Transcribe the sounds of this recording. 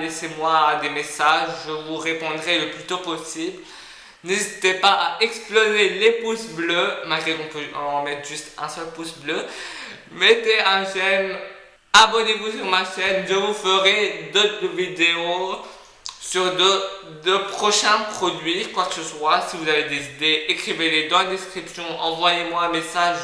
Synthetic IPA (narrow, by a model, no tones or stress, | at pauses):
lesemwad̪emesaʒʒəvuʁepɔ̃d̪ʁɛləplyt̪opɔsibl | nezit̪epaʔaʔɛksplozelepusblømalɡʁekɔ̃pøɑ̃mɛt̪χʒyst̪ɛ̃sœlpusblø | met̪eɛ̃ʃɛn | abɔnevusyʁmaʃɛnʒəvufəʁed̪ot̪χəvid̪eo | syʁd̪əd̪əpχɔʃɛ̃pχɔd̪ɥikwakəsəswasivuzaved̪ezid̪eːkχiveled̪ɑ̃lad̪ɛskχipsjɔ̃ʔɑ̃vwajemwaɛ̃mesaʒ